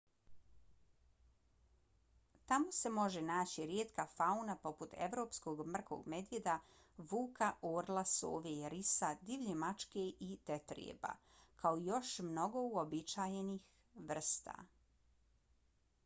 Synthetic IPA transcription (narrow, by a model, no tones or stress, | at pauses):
t̪amo̞se̞mo̞ʒenaːt͡ɕiɾjeːt̪kafaunapo̞put̪e̞̰ʋɾo̞ːpsko̞ɡmr̩ko̰ɡme̞d̪jed̪a | ʋuːkʰaʔoːɾlˠaso̰ːʋejɾisad̪iʋʎemat͡ʃkeʔit̪et̪ɾḭḛba̰ | kaoijo̞ʃmno̞ɡo̞uobit͡ʃaːjenix | ʋr̩st̪a̰